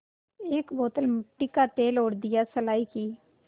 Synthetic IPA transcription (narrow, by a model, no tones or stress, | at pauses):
eːkboːt̪əlmʈːikaːt̪eːloːɽd̪ɪjaːsəlaːiːkiː